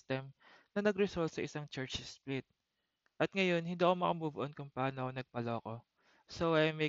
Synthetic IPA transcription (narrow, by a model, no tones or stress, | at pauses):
t̪ɛmnɐnɐɡɾɛsolt̪̚sɐʔɪsaŋt͡ʃɛɹt͡ʃsplɪt̪̚ | ʔɐt̪̚ŋɐjo̞nhɪnd̪iːɐkomɐkɐmbubʊʔonkʊŋpɐaːnokonɐɡ̚pɐloːɐko̞ | sowʔɐjmɐ